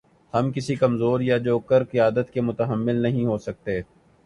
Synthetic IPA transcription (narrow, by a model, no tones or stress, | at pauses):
hɐmkɪsikɐmzoːɾjad͡ʒoːkəɾkijaːd̪ət̪kemʊt̪əɦəmːɪlnɐɦĩɦosɐk̚t̪eː